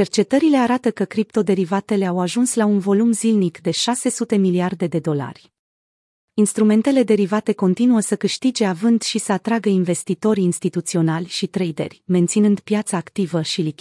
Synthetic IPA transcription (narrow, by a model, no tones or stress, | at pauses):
t͡ʃe̞rt͡ʃe̞t̪əɾile̞aɾat̪əkəkɾip̚t̪o̞d̪e̞ɾivat̪e̞le̞awaʒunslaunvo̞lumzilnikd̪e̞ʃase̞sut̪e̞miliard̪e̞d̪e̞d̪o̞la̰rʲ | inst̪ɾume̞nt̪e̞le̞d̪e̞ɾivat̪e̞ko̞nt̪inuəsəkɨʃt̪id͡ʒe̞avɨnd̪ʃisəat̪ɾaɡəinve̞st̪it̪o̞ɾʲinst̪it̪ut̪sio̞nalʲʃit̪ɾejd̪e̞̰rʲme̞nt̪sinɨnd̪̥pjat̪saːkt̪ivəʃilik